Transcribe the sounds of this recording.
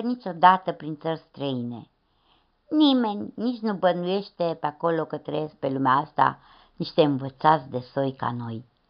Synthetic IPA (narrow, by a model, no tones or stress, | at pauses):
nit͡ʃo̞d̪at̪əpɾint̪sərst̪ɾəine̞̰ | nime̞nʲnit͡ʃʲnubənuje̞ʃt̪e̞peako̞lo̞kət̪ːɾejesk̚pe̞lumeaast̪a̰ | niʃt̪e̞ɨnvət̪sat̪sʲd̪e̞so̞jka̰no̞j